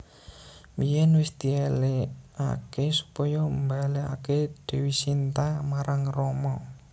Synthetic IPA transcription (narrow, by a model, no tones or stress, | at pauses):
mijɛnwɪsd̪̥ielea̰kesu̥pɔjɔmbaleaked̪̥e̤wisint̪amaɾaŋrɔmɔ